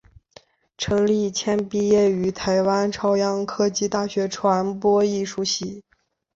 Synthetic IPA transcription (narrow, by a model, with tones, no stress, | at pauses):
ʈ͡ʂʰɤ˧˥ŋli˥˩t͡ɕʰjɛ˥npi˥jɛ˥˩y˧˥t̪ʰa˧˥ɪwa˥nʈ͡ʂʰɑ˥ʊjɑ˥ŋkʰɤ˥t͡ɕi˥˧t̪a˥˩ɕɥɛ˧˥ʈ͡ʂʰwa˧˥npwɔ˥i˥˩ʂu˧˥ɕi˧˩˦